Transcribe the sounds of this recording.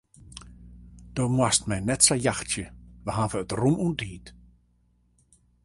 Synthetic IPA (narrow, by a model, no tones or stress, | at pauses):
d̥oːmwastmɛjnɛtsajaxtjəʋəɦanvəːtrumundiːt